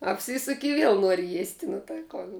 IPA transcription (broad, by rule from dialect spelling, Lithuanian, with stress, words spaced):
ɐpʲˈsʲiːsʊkʲɪ ɪ ˈʋʲiɛlˠ ˈnuɔrʲɪ jiɛsʲtʲ nʊ tɐɪ ˈkoːn